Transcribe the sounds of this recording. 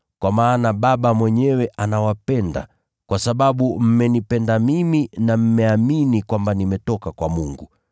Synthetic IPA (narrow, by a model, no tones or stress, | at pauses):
kwamaːnaɓaɓamwɛɲɛwɛʔanawapɛnda̰ | kwasaɓaɓum̩mɛnipɛndamiminam̩mɛaminikwambanimɛtɔkakwamuŋɡu